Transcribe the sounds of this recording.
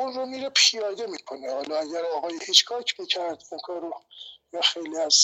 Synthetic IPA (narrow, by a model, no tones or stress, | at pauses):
unɾomiːɾepʰijɒːd̪emiːkʰonehɒːlɒæɟæɾɒːɣɒːjihiːt͡ʃkʰɒːcʰmiːcʰæɾd̪iŋkʰɒːɾojɒːxejliæz